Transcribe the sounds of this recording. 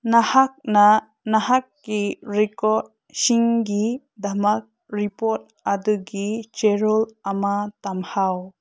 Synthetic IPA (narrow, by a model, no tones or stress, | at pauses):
nahak̚na | nahakːiɾikɔt̚ | siŋɡi | d̪amak̚ | ɾipɔt̚ | ad̪ɯɡit͡ʃeɾɔlamat̪amhaw